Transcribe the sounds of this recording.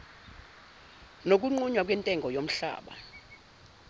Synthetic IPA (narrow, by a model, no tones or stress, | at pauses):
nok̬ʼuŋ͡ǃuɲwak̬ʼwɛntʼɛŋɡʱɔjom̩ɬa̰ːɓa̰